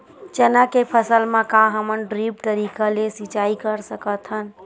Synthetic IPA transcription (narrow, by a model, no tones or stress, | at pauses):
t͡ʃənakepʰəsəlmẽkãɦəmənɖɾipʈ̪əɾikalesit͡ʃaikəɾsəkət̪ʰɦən